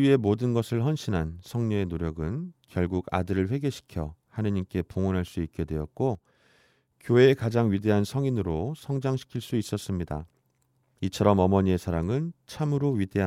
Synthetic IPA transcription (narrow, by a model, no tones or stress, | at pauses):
ɥie̞modɯnɡʌsʰɯɭɸʌnɕʰinɦansʰʌŋɲʌe̞noɾjʌɡɯnkjʌɭɡuɡa̰dɯɾɯɭɸwe̞ɡe̞ɕʰi̥kʰjʌ̰hanɯɲimk͈e̞poŋʌnɦaɭs͈uik̚k͈e̞dwe̞ʌ̰t̚k͈o | kjoe̞kad͡ʑaŋɥide̞ɦansʰʌŋinɯɾosʰʌŋd͡ʑaŋɕʰi̥kʰiɭs͈uis͈ʌs͈ɯmɲida̰ | it͡ɕʰʌɾʌmʌmʌɲie̞sʰaɾaŋɯnt͡ɕʰamɯɾoɥide̞ɦ